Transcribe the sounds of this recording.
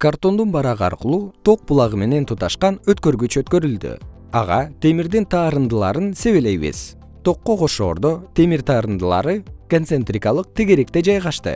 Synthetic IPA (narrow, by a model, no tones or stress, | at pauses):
kart̪o̞nd̪unbɑɾɑʁɯɑ̰ɾqɯlˠuːt̪ʰo̞q̚bulˠɑʁɯme̞ne̞nt̪ʰut̪ɑʃqɑnøt̪kø̞ɾɡyt͡ʃøt̪kø̞ɾyld̪y̰ | ɑ̰ʁɑt̪e̞miɾd̪int̪ʰɑːɾɯnd̪ɯlˠɑ̰ɾɯnse̞βe̞le̞jβḭz̥ | t̪ʰo̞qːo̞qʰo̞ʃo̞̰ːɾd̪o̞t̪ʰe̞miɾt̪ʰɑːɾɯnd̪ɯlˠɑ̰ɾɯkonsent̪rʲikɑlˠɯq̚t̪iɡeɾe̞kt̪e̞d͡ʒɑjʁɑʃt̪ɯ̰